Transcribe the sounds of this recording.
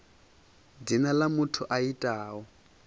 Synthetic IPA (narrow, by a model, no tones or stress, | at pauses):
dinalamutʰuʔaitʼaːɔ